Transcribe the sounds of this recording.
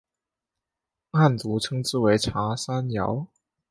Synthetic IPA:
a˥˩nt͡su˧˥ʈ͡ʂʰɤ˥ŋt͡sɹ̩˥˩we˧˥ɪʈ͡ʂʰa˧˥sa˥njɑ̰˧˥ʊ

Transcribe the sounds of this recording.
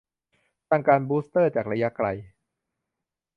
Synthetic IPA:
t̪aː˥˩ŋkaː˧nbuː˦˥st̪ɤː˥˩t͡ɕaː˨˩k̚ɾa˧ja˦˥kɾa˧j

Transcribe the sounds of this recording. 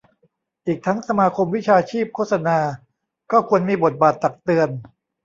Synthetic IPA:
ʔiː˨˩k̚t̪ʰa˦˥ŋsa˧maː˧kʰo˧mwi˦˥t͡ɕʰaː˧t͡ɕʰiː˥˩p̚kʰo˥˩t̪sa˧naː˧ | kɔː˥˩kʰu˧ənmiː˧bo˨˩t̪̚baː˨˩t̪ːa˨˩k̚t̪ɯ˧ən

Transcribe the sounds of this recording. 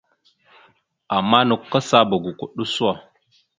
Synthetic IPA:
a˨mːa˦nə˨kːa˦sa˦bə˨ɡu˨ku˨ɗu˦su˦a˨

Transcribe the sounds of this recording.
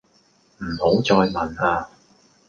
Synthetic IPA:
m̩˨˩ho˨˥wt͡sɔː˧jmɐ˨naː˧

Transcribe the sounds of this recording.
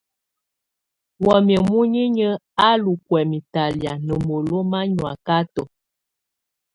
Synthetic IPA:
wɔ˨mjə˨mu˦ɲi˦ɲə˦a˦lu˨kwɛ˨mi˨ta˨lja˨nə˨mo˨lo˦ma˦ɲwa̰˨ka˦tɔ˨

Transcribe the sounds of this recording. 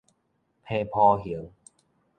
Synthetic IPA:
pʰeː˧pʰɔː˧ɦi˨˩˦əŋ

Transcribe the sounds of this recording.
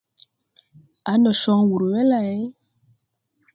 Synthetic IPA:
a˨˦nɔ˨ʃɔ˦ŋwu˨ɾo˨wɛ˦la˨e˦

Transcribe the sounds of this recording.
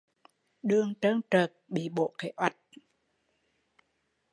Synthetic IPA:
ɗɨ˨˧˨əŋt͡ɕəː˧ŋt͡ɕəː˨˩k̚ɓḭ˧˨ɓo̰˧˨ke˧˩˦ʔwa˨˩jt̚

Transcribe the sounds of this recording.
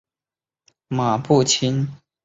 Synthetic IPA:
ma˨˩pu˥˩t͡ɕʰi˥n

